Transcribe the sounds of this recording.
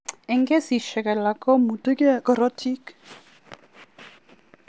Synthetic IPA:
ɛŋkʼɛsiʃɛkɛlakʼɔmutʼukkɔrɔtʰik

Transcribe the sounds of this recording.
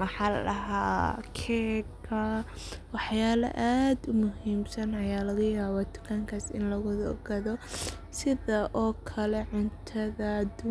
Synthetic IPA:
mɑħɑlɐɦaːkʰɛːkʰɐ | wɑħjaːlɐ̰ʔaːd̪ʊmʊɦiːmsɐnɐjaːlɐɣɐjaːβɔːt̪ʰʊ̥kʰɐŋkʰasɪ̰nlɐɣʊd̪ɔ̰ɡɐðɔ | sɪðɐʔɔːkʰɐlɛʕʊnt̪ʰɐðɐd̪ʊ

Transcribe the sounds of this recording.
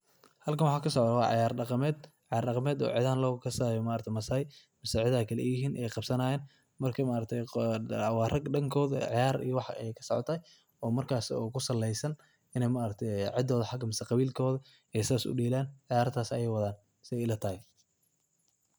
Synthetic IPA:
hɐlkʰɐnwɑħɑːkʰɐsɔʕt̪wɑːʕɪ̰jaːrɖɑqɑmɛːd̪ʕɑjaːrɖɑqɑmɛːd̪ɔ̰ːʕɪ̰ðaːnlɔːkʰɐsaːjɔmaːɾɐt̪ʰɛmɐsaːj | mɪsɛʕɪðaːkʰɐlɛ̰jɪɦiːnʔɛjqɑbsɐnaːjɛːn | mɐrkʰɐmaːɾɐt̪ʰɛjwɑːrɐɡɖɐŋkʰɔːðɐʕjaːɾḭjɔwɑħɛ̰jkʰɐ̥sɔ̰ʕɔ̰t̪ʰaːj | ɔːmɐrkʰaːsɔkʰʊsɐlːɛjsɐn | ɪnɛjmaːɾɐk̚t̪ʰɛjʕɪd̪ːɔːðɐħɑɡɐmɪsɛqɑβiːlkʰɔːðɐ | ɛjsɪaːsʊ̰ɖiːlaːnʕɑjaːɾt̪ʰaːsɐjɛjwɐðaːn | sɪɛlɐt̪ʰɐhɛ

